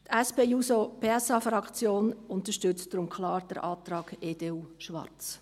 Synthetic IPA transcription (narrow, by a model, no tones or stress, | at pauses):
t̪ɛspeːusopʰeɛsɑfɾɑkt͡sjoːnʊnt̪əʃtʏt͡std̥ɾʊmkʰlɑːɾd̥əɾʔɑːtɾɑːɡ̥eːd̥eːuːʃʋɑ̰ɾt͡s